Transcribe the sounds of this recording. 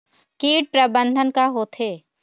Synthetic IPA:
kiːʈ̚pɾəbə̃nd̪ʱənkaɦot̪ʰeː

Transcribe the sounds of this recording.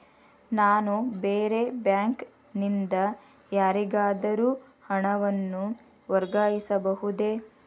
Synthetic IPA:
naːnubeːɾe̞bjaːŋk | nind̪ɐ | jaːɾiɡaːd̪ɐɾuː | hɐɳɐʋɐnːu | ʋɐɾɡaːjisɐbɐɦud̪e̞

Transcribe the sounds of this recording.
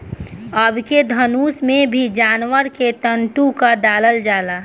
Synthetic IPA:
əbʱked̪ʱənuːsmẽbʱid͡ʒaːnʋəɾket̪əɳʈũkaɖaːləld͡ʒaːlaː

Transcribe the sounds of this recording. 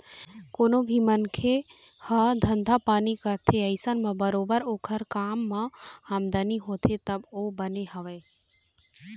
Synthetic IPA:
koːnobʱimənkʰe | hɐd̪ʱənd̪ʱapaːnikəɾt̪ʰeəɪsənmɐ̃bəɾoːbəɾoːkʰəɾkaːmːɐ̃aːmd̪aniɦoːt̪ʰet̪ɐboːbɐneɦɐʋeː

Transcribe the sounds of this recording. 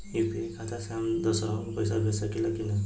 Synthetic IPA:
jupʰikʰat̪ʰasamd̪ʌsʌɾapʌjsaɡʌsʌkilakinʌ

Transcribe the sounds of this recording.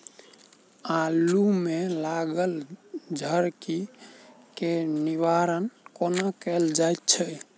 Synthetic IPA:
alumelaɡəld͡ʒʱəɾki | keniʋaɾənkonakɛld͡ʒajt̪̚t͡ʃʰɛ

